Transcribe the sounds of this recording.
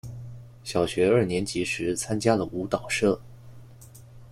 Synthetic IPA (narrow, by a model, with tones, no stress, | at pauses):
ɕjɑ˨˩ʊɕɥɛ˧˥ə˞˥˩njɛ˧˥nt͡ɕi˧˥ʂɻ̩˧˥t͡sʰa˥nt͡ɕja˥lə˨ʔu˧˥t̪ɑ˨˩ʊʂɤ˥˩